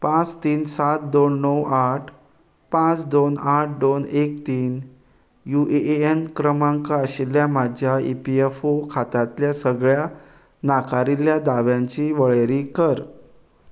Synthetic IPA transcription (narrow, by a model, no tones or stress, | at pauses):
pãt͡st̪iːnsat̪̚d̪onːəwaʈʰ | pãt͡sd̪onaʈ̚ʰd̪onekt̪iːn | juʔeenkɾəmãŋkaəɕilːjamad͡ʑʱjaḭpiefokʰat̪at̪ljasəɡɭja | nakʰaɾiljad̪aʋjãɲt͡ɕiːʋəɭeɾiːkəɾ